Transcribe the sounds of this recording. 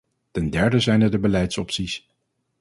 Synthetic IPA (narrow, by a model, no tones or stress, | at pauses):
tɛndɛɹdəzɛjnədəbəlɛjtsɔpsis